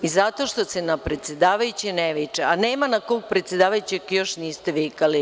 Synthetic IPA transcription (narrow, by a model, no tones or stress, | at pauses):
izat̪o̞ʃt̪o̞senapɾe̞t̪sjed̪aːʋajut͡ɕeneʋit͡ʂeaneːmanako̞ɡ̚pɾet̪sjed̪aːʋajut͡ɕekjo̞ʃniːst̪eʋikali